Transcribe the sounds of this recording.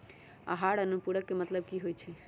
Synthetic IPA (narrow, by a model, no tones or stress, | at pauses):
a̰ɦaɽənupuɽəkːemət̪ləb̚kiɦojt͡ʃʰɛ